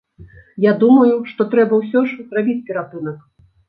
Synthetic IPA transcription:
jad̪umɐjuʂt̪ɔt̪ɾɛbɐws̬ʲɔʂzɾabʲit͡sʲpʲɛɾap̪ɨnɐk

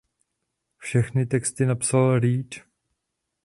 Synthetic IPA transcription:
fʃɛxnɪt̪ɛkst̪ɪnapsalɾiːt͡ʃ

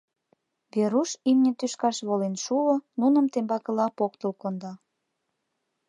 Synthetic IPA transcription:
βeɾuʃimnʲĕt̪yʃkɑʃβolenʃuonunə̆mt̪embɑkə̆lɑpokt̪ə̆lkond̪ɑ

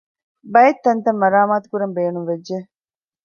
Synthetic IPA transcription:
bɐjet̪ːɐnt̪ɐmːɐɾaːmaːt̪u̥kuɾɐmbeːnumʋedd͡ʒe

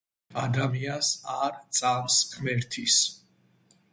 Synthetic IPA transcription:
ad̪amiansaɾt̪sʼamsχmɛɾt̪ʰis

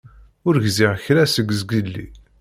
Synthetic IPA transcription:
ʊɾʝziʁçɾæsəɡzɡəlːḭ

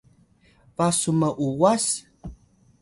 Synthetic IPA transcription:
vasumɐʔuwas

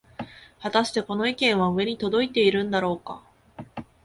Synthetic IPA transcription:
hat̪aɕi̥t̪e̞ko̞no̞ikẽ̞ɰ̃βaɯ̟e̞ɲ̟it̪o̞d̪o̞it̪e̞iɾɯ̟̃nd̪aɾo̞ːka̰

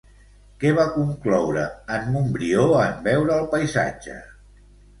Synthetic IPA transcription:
kɛβ̞akuŋklɔwɾəːmːumbɾioəmbɛwɾəːlˠpəjza̰d͡ʒə̰

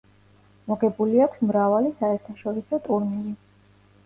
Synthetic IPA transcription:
mɔɡɛbuliakʷʰsmɾavalisaɛɾt̪ʰaʃɔɾisɔt̪ʼuɾnili

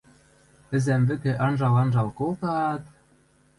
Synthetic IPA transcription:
ɘ̆zæmvɘ̆kɘ̆ʔɑnʒɑlɑnʒɑlkolˠt̪ɑt̪

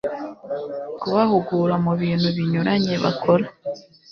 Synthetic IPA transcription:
kuβahuɡuːɾamuβiːn̥huβiɲuɾaɲe̞βa̰kʰo̞ɾa

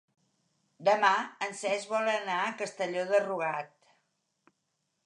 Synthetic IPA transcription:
d̪əmaənsɛzβɔlənaəkəst̪əʎoðəruɣat̪

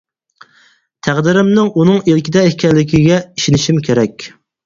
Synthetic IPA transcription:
t̪ʰæʁd̪ɪɾɪmnɪŋunɨŋilkʲɪd̪ɛɪhkʲʰɛlɪkʲʰiɡʲɛiʃinɪʃimkʲʰeɾɛkʲ

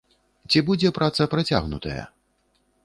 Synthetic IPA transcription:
t͡sʲibud͡zʲɛpɾʔat̪sɐpɾat͡sʲa̰ɣnṵt̪ɐ̰jɐ̰

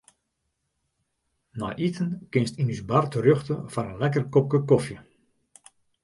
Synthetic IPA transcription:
nɔ̰jʔitənkɪnstinysbartərøxtəfanənlɛkərkɔp̚kəkofjə

